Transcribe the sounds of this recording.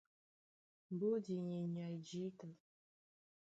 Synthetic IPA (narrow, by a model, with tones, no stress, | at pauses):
m˨bo˦di˨ɲe˨ɲa˨jd͡ʒi˦kə˨